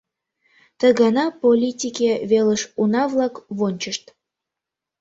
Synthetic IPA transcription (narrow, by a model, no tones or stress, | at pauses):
t̪əɣɑnɑpolʲitʲikʲeβeləʃunɑvlɑkβonʲt͡ɕəʃt̪